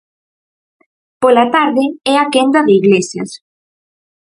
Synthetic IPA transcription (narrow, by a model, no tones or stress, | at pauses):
polat̪aɾðɪɛakend̪ɐðɪiɣlesjɐ̰s